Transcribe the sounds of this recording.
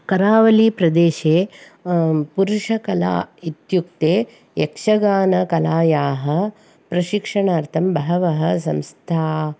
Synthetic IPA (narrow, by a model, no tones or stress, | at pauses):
kɐɾaːʋɐliːpɾɐd̪eːʃeː | puɾuʂɐkɐla̰ːit̪juk̚t̪eː | jekʂɐɡaːnɐkɐlaːjaːɦɐ | pɾɐʃikʂɐɳaːɾt̪ʰɐmbɐɦɐʋɐɦɐsɐmst̪ʰaː